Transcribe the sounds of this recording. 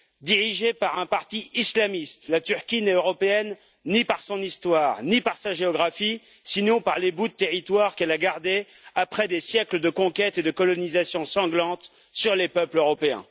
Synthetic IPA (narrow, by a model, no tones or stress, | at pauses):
d̪iʁiʒepaʁɛ̃paʁt̪iislamist̪lat̪yʁkʲinɛøʁɔpeɛnː | ipaʁsɔ̃nist̪waːʁnipaʁsaʒeɔɡʁafi | sinɔ̃paʁlebud̪ət̪eʁit̪waʁkɛlaɡaʁd̪e | apχɛd̪esjɛkləd̪əkɔ̃kʲɛt̪ed̪əkɔlɔnizasjɔ̃sɑ̃ɡlɑ̃t̪ | syʁlepœpløʁɔpeɛ̰̃